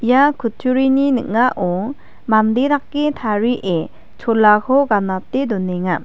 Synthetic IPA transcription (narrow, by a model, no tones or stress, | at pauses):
ijakʰutʰuɾininɯk̚ŋaʔɔ | mand̪eɾakːet̪ʰaɾiʔe | t͡ʃʰɔlːakʰɔɡanat̪ed̪ɔneŋa